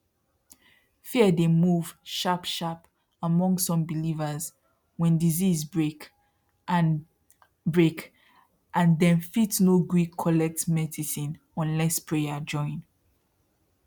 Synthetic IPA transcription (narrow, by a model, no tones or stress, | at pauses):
fiədemuv̥ʃapʃap | amɔ̃ŋɡsɔ̃mbilivəz | wɛ̃ndizizbɹek | n | bɹek | ʔãndɛ̃nfitnoɡɹikʰːɔlɛk̚tmɛdisĩn | ɔ̃nlɛspʰɹead͡ʒɔ̃ɪ̃n